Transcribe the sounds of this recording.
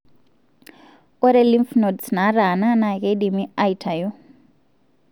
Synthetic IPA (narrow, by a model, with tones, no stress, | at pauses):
ɔ˦ɾe˦li˦mfnɔ˨dsn̤a˨˦ɾa˨na˦na˨ɣe˦ɗi˨mi˦a˦itʰa˨jɔ˦